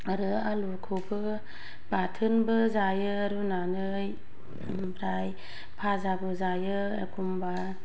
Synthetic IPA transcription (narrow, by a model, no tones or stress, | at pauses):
aɾɯ | alukʰobɯ | b̥atʰɯnbɯzajɯ | ɾunanɯ | j | bɾaj | pʰazabɯzajɯ | ekʰumba